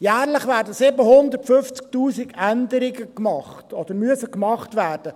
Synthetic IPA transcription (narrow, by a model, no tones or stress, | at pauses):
jæːrləχʋæːɾdəsɪbəhʊnd̪əɾtfʏft͡sk̚tuːsiɡænd̪əɾɪɡəkmɑχtɔd̪̥əɾmyəsəkmɑχtvæːrd̥ə